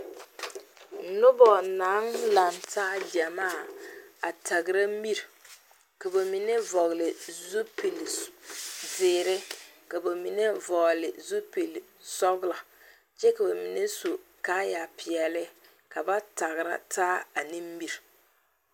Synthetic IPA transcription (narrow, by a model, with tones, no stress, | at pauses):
n̩˨nʊ˦bɔ˨na˨˦ŋla˨ntaː˦d͡ʒa˨maː˦˨a˨ta˨ɡɪ˨ɾa˦m̩˦bi˦ɾ | ka˨ba˨mi˨ne˦vɔ˨ɣlɪ˨zu˦pi˨l | zɪː˨ɾɪ˦ka˨ba˨mi˨ne˦vɔ˨lɪ˨zu˦pi˨l | sɔ˦bla˨ | t͡ʃɛ˦ka˨ba˨mi˨ne˦su˨kaː˦ja˨pɪ˨ɛ˨lɪ˦ | ka˨ba˦ta˨ɣɾa̰˦tʰaː˦a˨ni˦m˦bi˦˨ɾ